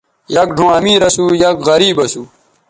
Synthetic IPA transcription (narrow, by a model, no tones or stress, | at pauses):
jɐkɖʱõːɐmiːɾɐsuːjɐɡɣɐɾiːbɐsuː